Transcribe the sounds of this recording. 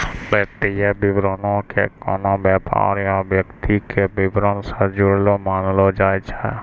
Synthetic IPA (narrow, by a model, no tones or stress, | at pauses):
leːt̪ijebɪbɾonõkḛkɔ̰ːnõːbjɛːpa̰ːɾijõbjəkt̪ikebɪbɾonsẽd͡ʒʊɽlomaːnlod͡ʒaːjt͡ʃʰɛ